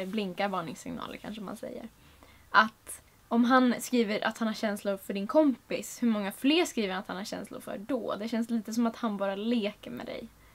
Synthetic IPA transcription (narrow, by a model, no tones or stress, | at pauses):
blɪŋkaɾvɑːɳɪŋsɪŋnɑ̰ːlə̰ɾkʰa̰nʂəɔmha̰nsɛ̰jːə̰ɾ | ʔat̪ | ɔmɦanskɾiːvəɾʔa̰t̪hanhaɾɕɛnslʊɾfœɖɪnkʰɔmpɪshɵmɔŋːafleːɾʂkɾiːvəɾant̪hanhaɾɕɛ̰nslʊ̰ɾfœ̰ɖɔ̰d̪ɛɕɛnsliːt̪əsɔmat̪hanbɑːɾaleːkəɾmɛ̰d̪ɛ̰j